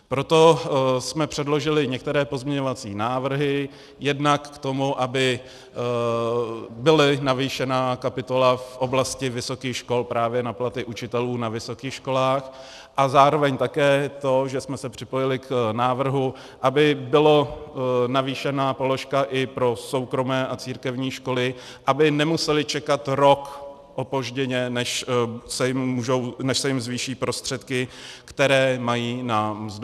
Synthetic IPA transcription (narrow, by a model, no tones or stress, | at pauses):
pɾo̞t̪o̞smɛpr̝̥ɛdlo̞ʒɪlɪɲɛk̚t̪ɛɾɛːpo̞zmɲɛɲovat͡sḭːnaːvr̩ɦɪ | jɛdnakːt̪o̞muʔabɪ | bɪlɪnaviːʃɛnaːkapɪt̪o̞lafʔo̞blascɪvɪsokiːxʃko̞lpɾaːvjɛnaplat̪ɪʔut͡ʃɪt̪ɛluːnavɪso̞kiːxʃko̞laːx | ʔazaːɾovɛɲt̪akɛːt̪o̞ʒɛsmɛsɛpr̝̥ɪpojɪlɪknaːvr̩ɦu | ʔabɪbɪlonaviːʃɛnaːpo̞lo̞ʃkaʔɪpɾo̞so̞wkɾo̞mɛːʔat͡siːɾkɛvɲiːʃko̞lɪ | ʔabɪnɛmusɛlɪt͡ʃɛkat̪ɾo̞k | ʔopoʒɟɛɲɛnɛʃsɛjɪmːuːʒownɛʃsɛjɪmzviːʃiːpɾo̞st̪r̥ɛt̪kɪkt̪ɛɾɛːmajiːnamzd